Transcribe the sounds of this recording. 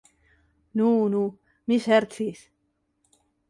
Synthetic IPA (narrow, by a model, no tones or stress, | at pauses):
nuːnu | miseɾt̪sis